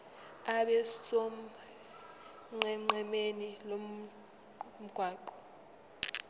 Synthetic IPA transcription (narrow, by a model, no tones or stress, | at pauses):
aɓɛso | ŋ͡ǃɛŋ͡ǃɛmenilom | m̩ɡ̥ʱwaːǃɔ